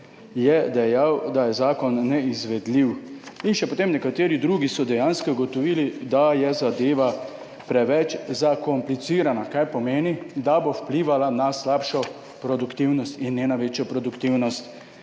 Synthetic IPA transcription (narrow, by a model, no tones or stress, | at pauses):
jɛd̪ɛjawd̪ajɛzaːkɔnːɛizʋɛd̪liwinʃɛpot̪emnɛkat̪eːɾid̪ɾuːɡisɔd̪ɛjaːnskɔɡɔt̪ɔʋiːlid̪ajɛzad̪eːʋa | pɾɛʋɛt͡ʃzakɔmplit̪siːɾanakajpɔmeːnid̪abowpliʋalanaslapʃɔ | pɾɔd̪ukt̪iwnɔst̪inːjeːnaʋeːt͡ʃjɔpɾɔd̪ukt̪iwnɔst̪